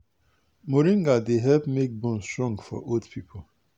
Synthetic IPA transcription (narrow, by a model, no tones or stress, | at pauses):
moɾĩŋɡadeɦɛlpmek̚bɔ̃nstɹɔ̃ŋɡfɔ̰ʔodpʰipʰo